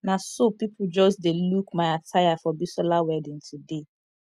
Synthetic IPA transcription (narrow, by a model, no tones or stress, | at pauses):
nasopipʰud͡ʒɔsdelukmaɪatʰaɪafɔbisɔlawɛdĩntʰude